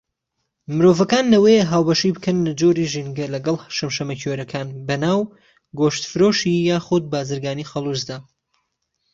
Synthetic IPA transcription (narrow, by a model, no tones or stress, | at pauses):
mɨɾovɐkaːnlɐwejeɦaːwbɐʃibɨkʰɐnːɨd͡ʒoɾiʒinɡɐlɐɡɐlˠʃɐmʃɐmɐcʰoɾɐkʰaːnbɐnaːw | ɡoːʃt̪fɨɾoːʃijaːxʊd̪̚baːzɨɾɡaːnixɐlˠuzd̪aː